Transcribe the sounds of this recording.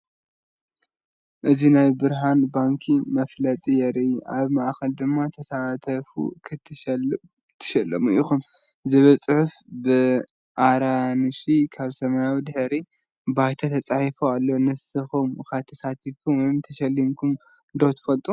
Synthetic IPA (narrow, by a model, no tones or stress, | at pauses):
ʔɨzinajbɨɾɦanbaŋkʰimɐflɐt̪ʼijɛɾiʔaβmaʔxɐld̪ɨmːat̪ʰɐsat̪ʰɐfṵkʰɨt̪ʰ | t̪ʰɨ̥ʃɐlːɐmuʔḭxum | zɨβɐt͡sʼɨħuf | bɨ | ʔaɾanɨʃikʰaβsɐmajawid̪ɨħɾi | bajt̪ʰat̪ʰɐt͡sʼaħifoalːonɨsɨxumxat̪ʰːɐsat̪ʰifkʰumwojmt̪ʰɐʃɐlːimkʰum | ɨnd̪owt̪ʰɨ̥fɐlt̪ʼu